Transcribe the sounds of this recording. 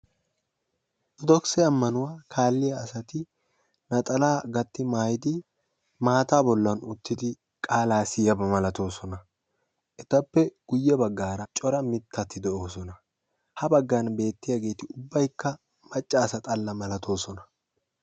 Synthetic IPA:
d̪ɔksɛɐmːɐnʊwaːkʰaːlːɪjɐːsɐt̪ɪ | nɐt̪ʼɐlaːɡɐt̪ːɪmaːjɪd̪ɪ | maːt̪aːbɔlːɐnʊt̪ːɪd̪ɪ | kʼaːlaːsɪjɐbɐmɐlɐt̪o̞ːsɔnɐ | ʔɛt̪ɐpːɛɡ̥ʊjːɛbɐɡːaːɾɐt͡ʃʼɔɾɐmɪt̪ʰːɐt̪ːɪd̪ɛoːsɔnɐ | hɐbɐɡːanbe̞ːt̪ːɪjaɡe̞ːt̪ɪʊbːɐjkːɐ | mɐt͡ʃʼːaːsɐt̪ʼɐlːɐmɐlɐt̪ʰo̞ːsɔnɐ̥

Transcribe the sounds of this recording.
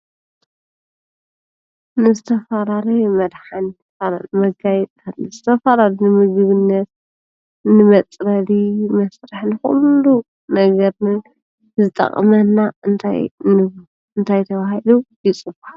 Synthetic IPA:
nɨzɨt̪ʰɐfaɾalɐjmɐd̪ħant̪ʰɐfaɾmɐɡajɛt̪ʼʰatlːɨzɨt̪ʰɐfaɾalunɨmɨɡɨβɨnːɐt̪̚ | nɨmɐt͡sʼɾɐlimɐsɾaħnɨxṵlːu | nɐɡɐɾnɨ | zɨt̪ʼɐ̰χʼmɐnaɨnt̪ʰa̰jɨ | ɨnt̪ʰajt̪ʰɐβahilujit͡sʼɨbaħ

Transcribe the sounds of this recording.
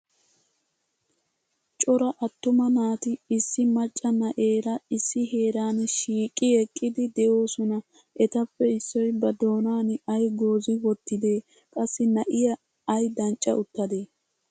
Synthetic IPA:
t͡ʃʼɔɾɐʔɐt̪ːʊmɐnaːt̪ɪɪsːɪmɐt͡ʃʼːɐnɐʔe̞ːɾɐɪsːɪɦe̞ːɾaːnʃiːkʼːɪɛkʼːɪd̪ɪd̪ɛʔo̞ːsɔnɐ | ʔɛt̪ɐpːɛɪsːɔjbɐd̪o̞ːnaːnɐjɡo̞ːzɪwɔt̪ːɪd̪e̞ː | kʼɐsːɪnɐʔɪjɐ | ɐjd̪ɐnt͡ʃʼːɐ̰ʊt̪ːɐd̪eː

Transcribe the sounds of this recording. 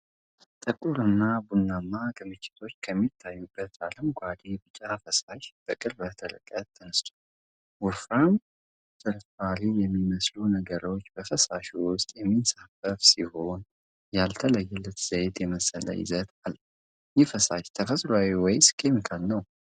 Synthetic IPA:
t̪ʼɨkʼuɾɨnːabunːamːaɡɨmɨt͡ʃːɪ̥t̪ʰo̞t͡ʃːkʰəmːit̪ʰːajːubːət̪aləmɡʷad̪ebɨt͡ʃʼafəsaʃb̥əkʼɨlbət̪ʰəlɨ̰kʼːət̪ʰːənɨst̪ʰu̥ | wʊfɾam | sʰɨɾfalijɛmːiməslunəɡəɾo̞t͡ʃːbəfəsaʃiwʊst̪ʼjɛmːinsafəfsiho̞n | jalt̪ʰələjːɛlːət̪z̥əjt̪jɛməsələ̰jɪ̰zət̪alː | jɪfəsaʃt̪ʰəfəsʼɾawiwɔjskʰemikʰalnəw

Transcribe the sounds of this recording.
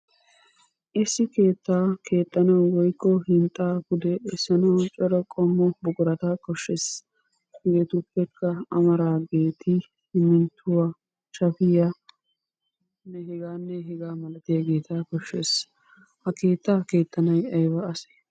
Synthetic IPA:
ʔɪsːɪke̞ːt̪ːaːke̞ːt̪ːɐnɐwwɔjkːɔhɪnt̪ʼːaːkʊd̪ɛɛsːɐnɐwt͡ʃʼɔɾɔkʼɔmːɔbʊɡʊɾɐt̪akɔʃːes | ɡeːt̪ʊpːɛkːɐɐmɐɾaːɡe̞ːt̪ʰɪ | hɪmːɪnt̪ʰːʊwa | ʃɐfɪja | nːɛɦɛɡaːnːɛɦɛɡaːmɐlɐt̪ɪjaɡe̞ːt̪aːkɔʃːes | hɐke̞ːt̪ʰːaːke̞ːt̪ʰːɐnɐjɐjbɐɐse̥

